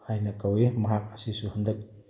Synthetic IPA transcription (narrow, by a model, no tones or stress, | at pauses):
hajnɐkawemɐɦak̚ɐsisuhɐnd̪ɯk̚